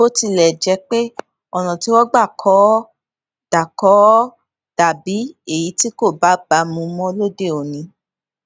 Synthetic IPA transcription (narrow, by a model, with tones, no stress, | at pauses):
o˦ti˧lɛ˨d͡ʒɛ˨˧k͡pe˦ | ɔ˨ñɔ̃˨ti˨˦wɔ˦ɡ͡ba˦˨kʰɔ˨˦ | d̥a˨kɔ˨˦ | d̥a˨bi˨˦e˦˨ji˨˦ti˦ko˦˨ba˨˦ɡ͡ba˧˦mũ˨˧mɔ̃˦lo˦de˦˨o˨nĩ˨˦